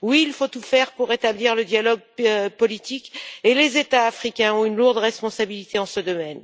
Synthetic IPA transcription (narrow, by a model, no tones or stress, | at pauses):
wiːlfot̪ufɛʁpuʁet̪abliʁləd̪jalɔɡ̚pɔlit̪ikelezet̪aːfχikʲɛ̃ɔ̃ynluʁd̪ʁɛspɔ̃sabilit̪eɑ̃səd̪ɔmɛn